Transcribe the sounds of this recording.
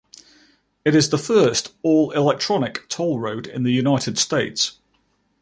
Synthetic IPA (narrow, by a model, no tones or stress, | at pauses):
ɪɾɪzðəfɜˑstɔːlɪlɛk̚tʰɹ̥ɒnɪktʰɒʊlˠɹəʊdɪ̰̃nðəjʉnaɪtʰɪd̥steɪts